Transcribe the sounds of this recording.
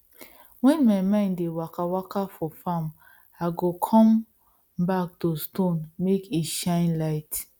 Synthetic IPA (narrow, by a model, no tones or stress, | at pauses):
wɛ̃nmaɪmãɪ̃ndewakawakafɔfãm | aɪɡokʰɔ̃m | bak̚tostõnmekiʃãɪ̃nlaɪt